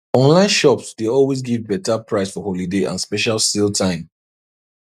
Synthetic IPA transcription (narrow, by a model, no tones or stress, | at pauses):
ɔ̃nlãɪ̃nʃɔpsdeɔlˠwezɡivbɛtapʰɹaɪsfɔholideʔã̰nspɛʃalˠsilˠtʰãɪ̃m